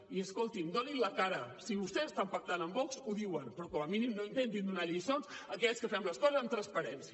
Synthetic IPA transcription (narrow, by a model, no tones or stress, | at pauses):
iəskolˠt̪ind̪oninləkaɾəsiβust̪ɛəst̪ampək̚t̪anəmbɔksuðiwənpɾɔkɔməminimnoint̪ent̪̬ind̪unaʎisonsəkɛskəfɛmləskɔzəzəmt̪ɾəspəɾɛnsiə